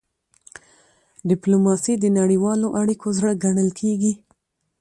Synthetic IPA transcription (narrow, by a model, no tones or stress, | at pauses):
ɖɪplomɑsid̪ənaɽiwɑloʔaɽikozɽəɡaɳəlkʰeɡi